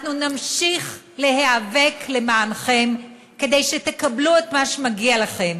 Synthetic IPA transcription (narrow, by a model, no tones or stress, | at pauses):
nunamʃiχ | le̞heave̞kle̞maːnχe̞m | ke̞d̪ejʃet̪e̞kabluet̪maʃemaɡialaχe̞m